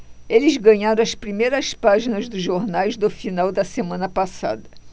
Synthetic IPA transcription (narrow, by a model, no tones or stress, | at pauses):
elɪzɡɐ̃ɲaɾõɐspɾimejɾɐspaʒinɐzd̪ʊzʒoɾnajzd̪ʊfinawd̪ɐsemɐ̃nɐpasa̰d̪ɐ